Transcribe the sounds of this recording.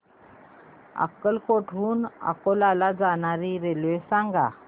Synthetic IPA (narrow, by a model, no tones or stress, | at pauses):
a̰kːəlkoʈʰuːna̰kolalad͡zanaɾiɾelʋesãŋɡa̰